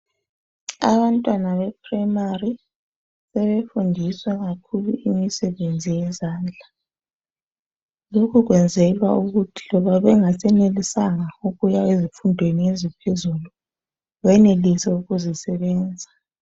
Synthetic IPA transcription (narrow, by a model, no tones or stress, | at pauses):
a̰βantʼwanaβɛpʰrajmari | sɛβefundʱiswaɣakʰulṵʔimisɛβend͡zʱijɛzaːnd͡ɮʱa | lokʰuɣwɛnd͡zʱɛlwa̰uɣutʰi̥lɔβaβɛŋasɛnelisaŋauɣujaezifundʱweniezipʰezulu | βɛnelisɛuɣuzisɛβɛːnd͡zʱa